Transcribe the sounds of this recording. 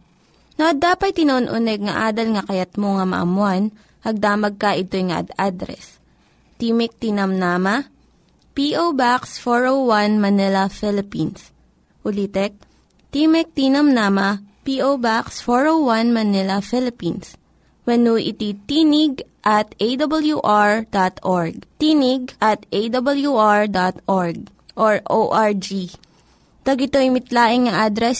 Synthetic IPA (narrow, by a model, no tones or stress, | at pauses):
noʔɐd̪aːpɐt̪̚t̪ːɪnoʔonʔʊnɛɡ̚ŋɐ̰ʔaːd̪ɐlŋɐkɐjɐt̪̚moŋɐmɐ̰ʔɐ̰mʊan | hɐɡ̚d̪aːmɐɡ̚kɐʔɪt̪ojŋɐ̰ʔɐ̰d̪ad̪ɾɛ̰s | t̪iːmɪk̚t̪iːnɐmnaːmɐ | piʔowbaksfoɹowwanmɐnɛlɐfɛlɪpins | ʔʊlit̪ɛk̚ | t̪imɛk̚t̪iːnɐmnaːmɐpiʔowbaksfoɹʔowwɐnmɐnɪlɐfɪlɪpins | wɐnuʔɪt̪it̪iːnɪɡ̚ʔɐt̪̚ʔejd̪ɐbɐljuʔaɹd̪at̪ʔoɹɡ̚t̪iːnɪɡ̚ʔɐt̪ʔejd̪ɐbɐljuʔaɹd̪at̪ʔoɹɡ̚ | ʔoɹʔoʔaɹd͡ʒi | t̪ɐɡɪt̪oɪmɪt̪laːʔɪŋːɐʔad̪ɾɛs